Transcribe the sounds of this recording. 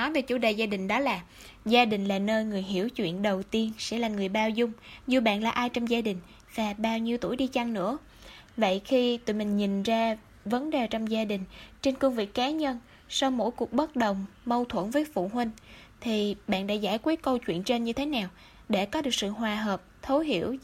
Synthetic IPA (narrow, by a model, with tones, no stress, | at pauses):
nɔ˨˦jve˨˩t͡ɕu˧˩ɗə˨˩zaː˧ɗï˨˩ŋ̟ɗɔ˨˦laː˨˩ | zaː˧ɗï˨˩ŋ̟laː˨˩nəː˧jŋɨ˨˩əjɦi˧˩əwt͡ɕwḭ˧˨ənɗə˨˩wt̪i˧ənsɛ̰˧˥laː˨˩ŋɨ˨˩əjɓaː˧wzʊ˧ŋ͡mzu˨˧˩ɓa̰ː˧˨nlaː˨˩ʔaː˧jt͡ɕɔ˧wŋ͡mzaː˧ɗï˨˩ŋ̟ | vaː˨˩ɓaː˧wɲi˧wt̪u˧˩əjɗi˧t͡ɕa˧ŋnɨ̰˧˥ə | və̰˧˨jxi˧t̪ɨ̰˧˨mï˨˩ŋ̟ɲi˨˩nzaː˧ | və˨˦nɗe˨˩t͡ɕɔ˧wŋ͡mzaː˧ɗï˨˩ŋ̟t͡ɕe˧nkə˧ŋvḭ˨˩˨kːaː˨˦ɲə˧n | sa˧wmo̰˧˥˨jku˨˩ək̚ɓə˦˥t̚ɗə˨˩wŋ͡mmə˧wt̪ʰwə˧˩nvəː˨˦jfṵ˧˨ɦwï˧ŋ̟ | t̪ʰi˨˩ɓa̰ː˧˨nɗa̰ː˧˥zaː˧˩jkwi˦˥t̚kə˧wt͡ɕwḭ˧˨ənt͡ɕe˧nɲɨ˧t̪ʰe˨˦naː˨˩w | ɗe˧˩kɔ˨˦ɗɨ˨˩ək̚sɨ̰˧˨ɦwaː˨˩ɦəː˨˩p̚t̪ʰo˨˦ɦḭ˧˩˨əw